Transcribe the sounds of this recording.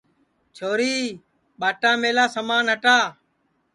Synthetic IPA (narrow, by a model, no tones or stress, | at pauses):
t͡ʃʰoːɾiː | ɓaːʈaːmeːlaːsəmaːnɦəʈaː